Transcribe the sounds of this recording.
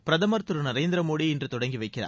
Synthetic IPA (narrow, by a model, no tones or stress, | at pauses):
pɪɾɐðɐmɐɾt̪ɯɾɯnɐɾeːnd̪ɪɾɐmoːɽiɪndrɯt̪ɔɽɐŋɡiʋɐɪkːɪɾa̰ː